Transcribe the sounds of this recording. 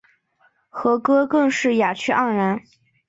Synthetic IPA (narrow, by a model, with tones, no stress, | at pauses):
xɤ˧˥kɤ˥kɤ˥˧ŋʂɻ̩˥˩ja˨˩t͡ɕʰy˥ʔɑ˥˩ɻa˧˥n